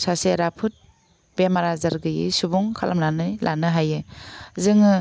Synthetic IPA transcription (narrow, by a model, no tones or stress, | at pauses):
saseɾapʰɯt̚ | b̥emaɾazaɾɡɯjɯ̰subuŋkʰalʔamlanɯjlʔanɯɦajɯzɯŋɯ